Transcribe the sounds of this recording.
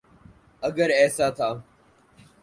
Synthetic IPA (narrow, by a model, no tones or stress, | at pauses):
ɐɡəɾɛːsaːt̪ʰaː